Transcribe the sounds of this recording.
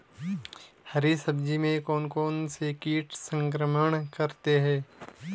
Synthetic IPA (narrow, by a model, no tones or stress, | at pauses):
hɐɾisəbd͡ʒimẽkɔːnkɔːnsekiːʈʰsə̃ŋkɾəməɽ̃kɐɾt̪eɦɛ̃ː